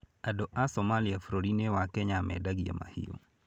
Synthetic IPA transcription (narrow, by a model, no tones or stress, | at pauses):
adɔʔasɔmaliafɾoɾinewakɛɲamɛ̰daɡia̰ma̰hḭo̰